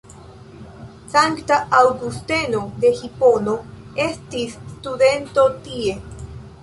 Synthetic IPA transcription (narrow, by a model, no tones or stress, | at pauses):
saŋktaawɡuste̞no̞d̪e̞hipo̞no | e̞stisstude̞nto̞tie̞